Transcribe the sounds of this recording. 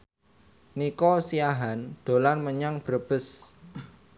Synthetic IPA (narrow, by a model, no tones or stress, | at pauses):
nikɔsiaɦand̪̥o̤lanməɲaŋb̥əɾəb̥əs